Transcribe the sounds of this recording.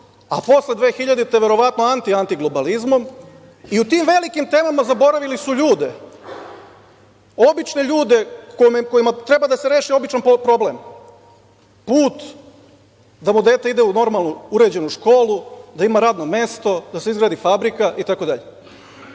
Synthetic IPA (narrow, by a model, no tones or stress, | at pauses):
a̰po̞slˠe̞d̪ʋeːxiʎad̪it̪eʋe̞ɾo̞ʋat̪no̞ant̪iant̪iɡlo̞balizmo̞m | iut̪iːmʋe̞likimt̪e̞ːmamazabo̞ɾaʋilisuʎuːd̪e̞ | o̞bit͡ʃne̞ʎuːd̪e̞komko̞jimat̪ɾe̞bad̪aseɾe̞ːʃio̞bit͡ʃanppɾo̞blem | puːt̪ | d̪amud̪e̞ːt̪aid̪euno̞ɾmalˠnuuɾe̞d͡ʑe̞nuʃko̞ːlˠud̪aimaɾaːd̪no̞me̞st̪o̞d̪aseizɡɾaːd̪ifabɾikaʔit̪ako̞d̪aʎe